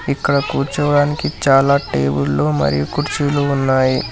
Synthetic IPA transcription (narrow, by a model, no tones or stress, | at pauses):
ikːɐɽɐkuːɾt͡ʃɐʋɐɽaːnikit͡ʃaːlaːʈeːbulːo̞ːmɐ̰ɾḭjukuɾt͡ʃiloːunːaːji